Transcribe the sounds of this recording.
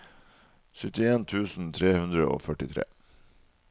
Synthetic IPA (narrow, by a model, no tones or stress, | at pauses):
sʏt̪ɪeːnt̪ʰʉːsn̩t̪ʰɾeːhʉnd̪ɾəo̰ːfœʈɪt̪ʰɾḛː